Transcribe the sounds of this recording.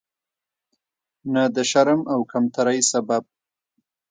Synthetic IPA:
nad̪əʃaɾəmawkamt̪ʰaɾajsabab̚

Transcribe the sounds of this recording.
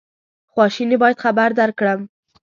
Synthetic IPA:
xwɑʃinibɑjad̪xabaɾd̪aɾkɽəm

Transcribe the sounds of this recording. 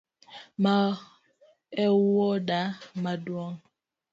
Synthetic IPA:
ma | ɛwɔdamadwɔŋ

